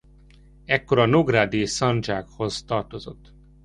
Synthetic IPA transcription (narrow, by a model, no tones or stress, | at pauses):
ɛkːoɾɒnoɡraːd̪eːsɒnd͡ʒaːkho̞zt̪ɒrt̪o̞zo̞t̪ː